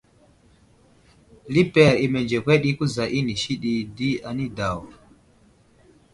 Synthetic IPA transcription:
li˦pɛ˦˨ɾi˨me˨nd͡ʒe˨kʷe˦ɗi˦ku˦za˨ʔi˦ni˨ʃi˦ɗi˦di˦a˨ni˦da˨w

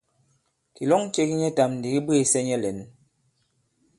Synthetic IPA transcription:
ki˨lɔ˦ŋt͡ʃe˦ki˦ɲɛ˦ta˨mn˨di˨ɣi˦be˨sɛ˦ɲɛ˦lɛ˨˦n

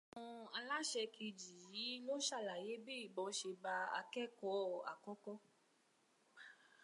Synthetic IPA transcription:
ɔ̃˧a˧la˦ʃɛ˧kʰi˧d͡ʒi˨ji˨˦lo˦ʃa˦˨la˨je˨˦be˦i˦˨bɔ̃˨˦ʃe˧ba˧a̰˧kɛ˦kɔ˨˦a̰˨kɔ˦kɔ˦

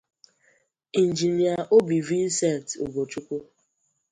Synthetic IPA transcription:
i˨n̩˨d͡ʒi˨ni˨a˨ʔo˦bi˨vi˦n̩˦se˦˨ltṵ˨ɡo˨t͡ʃu˦kʷu˦

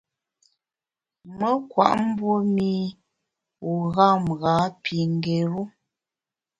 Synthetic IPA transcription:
mə˦kwa̰˨ʔm̩˦bwo˦mi˦ | u˨ɣa˦˨mɣa˨˦pʰi˨ŋ˨ɡe˨ɾu˦

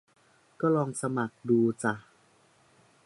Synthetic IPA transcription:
kɔː˥˩lɔː˧ŋsa˧ma˨˩k̚duː˧t͡ɕa˨˩

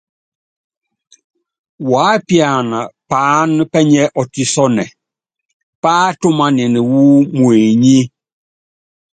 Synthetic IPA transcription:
waː˨˦pja˨na˨paː˨˦n˦pɛ˦ɲɛ˦ʔɔ˨ti˨sɔ˦nɛ˨ | pa˦tʊ˦ma˦nɪ˨ni˨wu˦mwe˨ɲe˦

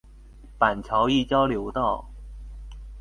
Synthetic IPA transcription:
pa˨˩nt͡ɕʰjɑ˧˥ʊi˥˩t͡ɕjɑ˥ʊljo˧˥ʊt̪ɑ˥˩ʊ

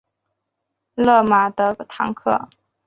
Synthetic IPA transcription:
lɤ˥˩ma˨˩d̪ə˧˦t̪ʰɑ˧˥ŋkʰɤ̰˥˩

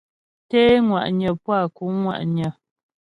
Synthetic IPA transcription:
tɛː˦ŋwa̰˨ʔɲə˨pwa˦˨ku˨˦ŋwa̰˨ʔɲə˨

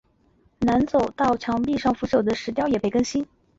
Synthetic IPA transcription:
na˧˥nt͡so˨˩ʊt̪ɑ˥˩ʊt͡ɕʰjɑ˧˥ŋpi˥˧ʂɑ˥˩ŋfu˧˥ʂo˨˩ʊd̪ə˦ʂɻ̩˧˥t̪jɑ˥ʊjɛ˨˩pe˥˩ɪkə˥nɕi˥n

